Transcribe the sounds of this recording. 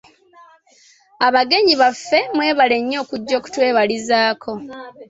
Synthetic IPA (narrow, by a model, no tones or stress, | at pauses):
aβaɡe̞ɲiβafːe̞mwe̞ːβale̞ɲːo̞ːkuɟːo̞ːku̥twe̞ːβalizaːkʰo̞